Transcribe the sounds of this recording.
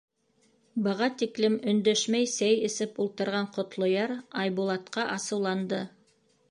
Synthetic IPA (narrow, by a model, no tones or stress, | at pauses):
bɤ̆ʁɑt̪iklɘmɵ̆nd̪øʃmæjsæjɘ̆sɘpulˠt̪ɤ̆ɾʁɑɴqŏt̪lˠŏjɑɾɑjβulˠɑt̪qɑʔɑsɤ̆wlˠɑnd̪ɤ